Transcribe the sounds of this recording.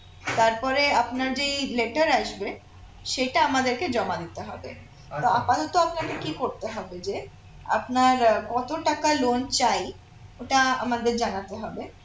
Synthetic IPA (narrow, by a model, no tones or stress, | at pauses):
t̪aɾpɔɾeapnaɾd͡ʑeleʈaɾaʃbe | ʃeʈaamad̪eɾked͡ʑɔmad̪it̪eɦɔbḛ | t̪oapat̪ɔt̪oapnaɾkekikoɾt̪eɦɔbed͡ʑe | a̰pnaɾkɔt̪oʈakalont͡ɕaj | oʈaa̰mad̪eɾd͡ʑanat̪eɦɔbe